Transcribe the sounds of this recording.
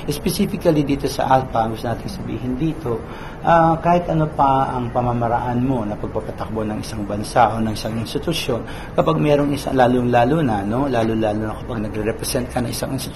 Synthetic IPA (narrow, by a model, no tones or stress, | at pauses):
ʔɛspɛsiːfɪkɐlɪd̪iːt̪o̞sɐ̰ʔalpɐɐŋɡʊst̪onaːt̪ɪŋsɐbḭːɦɪnd̪iːt̪o̞ | ʔakaːhɪt̪ʔɐnopɐɐŋpɐmamɐɾɐʔanmo̞nɐpɐɡ̚pɐpɐt̪ɐk̚bonɐŋʔɪsaŋbɐnsaʔo̞ːnɐŋɪsaŋɪnst̪ɪt̪ʊsjo̞n | kɐpaɡ̚mɛːɾo̞ŋɪsa̰laːloŋlaːlunɐno̞laːlolaːlonɐkɐpaɡ̚nɐɡɾɛɾɛpɾɛsɛnt̪̚kɐnɐŋʔɪ̰saŋʔɪnst̪ɪt̪